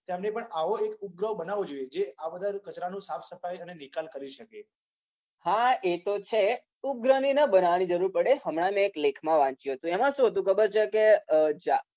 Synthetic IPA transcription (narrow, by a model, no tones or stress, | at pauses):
t̪emnepəɳaʋoekup̚ɡɾəbənaʋod͡ʒoied͡ʒeabəd̪ʱaɾkət͡ʃɾanũsafʰsəfajənenikalkəɾiʃəke | haet̪ot͡ʃʰe | up̚ɡɾəninəbənaʋanid͡ʒəɾuɾpəɽeɦəmɽ̃amẽːklekʰmãʋãt͡ʃjũɦət̪ũɛmãʃũɦət̪̬ũkʰəbəɾt͡ʃʰeked͡ʒa